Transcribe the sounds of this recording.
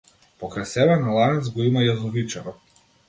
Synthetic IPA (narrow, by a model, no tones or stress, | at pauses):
pɔkɾajsɛbɛnalˠanɛt̪zɡɔimajazɔvit͡ʃɛɾɔ